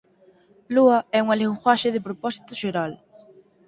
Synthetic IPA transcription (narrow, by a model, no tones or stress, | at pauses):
luɐɛuŋaleŋxwaʃɪðɪpɾopɔsi̥t̪ʊʃeɾal